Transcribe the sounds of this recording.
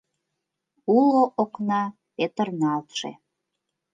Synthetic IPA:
uloʔoknɑ | pet̪ərnɑlt̪ʃḛ

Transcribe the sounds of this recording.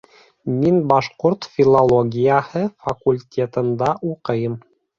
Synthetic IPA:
minbɑʃqoɾt̪fʲilˠolˠoɡʲijahɤfɐkulʲtʲʰet̪ɤ̆nd̪ɑʔuqɤjɤm

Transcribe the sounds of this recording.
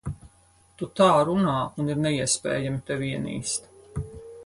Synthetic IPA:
t̪ut̪aːɾunaːuniɾnɛiɛspʲɛ̰ːjamit̪ɛvʲiɛnḭːst̪

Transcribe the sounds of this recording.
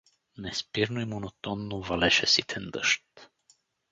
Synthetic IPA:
nɛspiɾnoimonot̪ɔnːovalɛʃɛsit̪ʰɛnd̪ə̰ʃt̪

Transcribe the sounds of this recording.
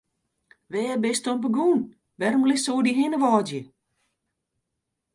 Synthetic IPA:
ʋɛːəbɪstɔmp̬əɡuːn | ʋɛrmlɪsoːdiɦɪnəʋɔːdjə

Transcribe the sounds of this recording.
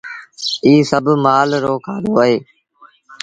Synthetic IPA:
iːsəbʱmaːlɾoːkʰaːd̪oːəɦeː

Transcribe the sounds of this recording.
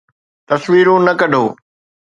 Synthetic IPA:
t̪ɐsʋiːɾoːnɐkɐɖʱoː

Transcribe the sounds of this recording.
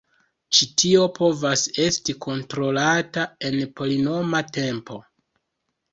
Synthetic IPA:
t͡ʃitio̞pʰo̞vase̞stiko̞ntɾo̞latae̞npolino̞mate̞mpo̞

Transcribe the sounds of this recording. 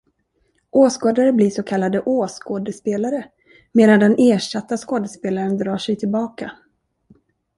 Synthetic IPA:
ʔoːskoːd̪aɾəbliʂɔkʰalːad̪əʔoːskoːd̪əspeːlaɾə | meːd̪and̪ɛnʔeːʂat̪ːaskoːd̪əspeːlaɾənd̪ɾɑːʂɛjt̪ʰɪlbɑːka

